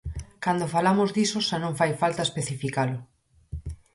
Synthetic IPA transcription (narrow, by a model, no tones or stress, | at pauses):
kand̪ofalamʊzd̪isʊʃanõŋfajfalt̪ɐespeθifikalʊ